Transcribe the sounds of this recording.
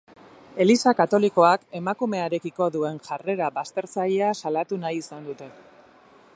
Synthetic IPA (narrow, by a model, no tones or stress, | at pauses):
e̞lisakat̪o̞liko̞ake̞makume̞aɾe̞kiko̞ðue̞nʝare̞ɾabast̪e̞ɾt͡saʎasalat̪unajisand̪ut̪e̞